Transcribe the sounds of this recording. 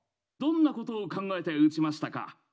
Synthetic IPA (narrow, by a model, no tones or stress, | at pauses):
d̪õ̞nːako̞t̪o̞ːkãŋɡae̞t̪eɯ̟t͡ɕimaɕi̥t̪aka̰